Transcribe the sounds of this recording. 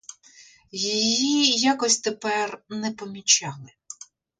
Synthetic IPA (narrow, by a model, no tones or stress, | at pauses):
jijjijakɔsʲt̪epɛrnɛpɔmʲit͡ʃɑlˠɪ